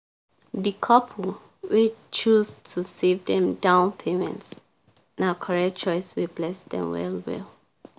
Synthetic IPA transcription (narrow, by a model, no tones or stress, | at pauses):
dikʰɔp̩ʰ | wet͡ʃuztʰusevdɛ̃mdãʊ̃npʰemɛ̰̃nts | naʊkʰɔɹɛk̚t͡ʃɔɪswiblɛsdɛ̰̃mwɛ̰lˠwɪ̰l